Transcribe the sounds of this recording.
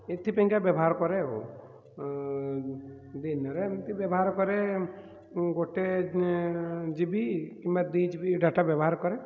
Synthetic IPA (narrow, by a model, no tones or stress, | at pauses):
et̪ʰːipəĩŋkabjəbɦaɾkɔɾeo̰ | d̪inɔɾet̪ibjebɦaɾkɔɾe | ɡoʈe | d͡ʒibikimbat̪̚d̪id͡ʒbiɖʱaʈabjəbɦaɾkɔɾe